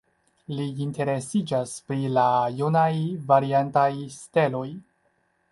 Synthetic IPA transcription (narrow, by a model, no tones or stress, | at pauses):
liːnte̞ɾe̞sid͡ʒaspɾilajunajvaɾiantajste̞lo̞j